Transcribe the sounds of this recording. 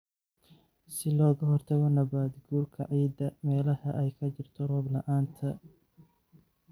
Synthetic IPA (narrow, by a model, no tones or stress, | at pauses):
sɪlɔːɣɐɦɔrt̪ʰɐɣɔnɐβaːd̪ɡuːrkʰɐʕiːd̪ɐmɛːlɐhɐʔɛjkʰɐt͡ʃɪrt̪ʰɔrɔːblɐʔaːnt̪ʰɐ